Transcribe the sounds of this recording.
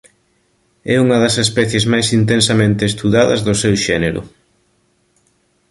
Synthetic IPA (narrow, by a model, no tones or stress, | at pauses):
ɛuŋɐðɐsespɛθjezmajsint̪ensɐmẽnt̪eːst̪uðaðɐ̰zðʊsɛwʃɛneɾʊ̰